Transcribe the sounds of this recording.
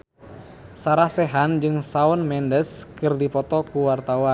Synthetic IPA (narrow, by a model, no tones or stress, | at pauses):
saɾahsɛɦand͡ʒɨŋsaɔnmɛndəskɨrdipɔt̪ɔkuwart̪awan